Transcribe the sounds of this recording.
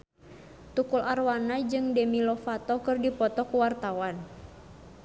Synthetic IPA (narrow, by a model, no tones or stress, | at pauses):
t̪ukularwanad͡ʒɨŋdɛmilɔfat̪ɔkɨrdipɔt̪ɔkuwart̪awan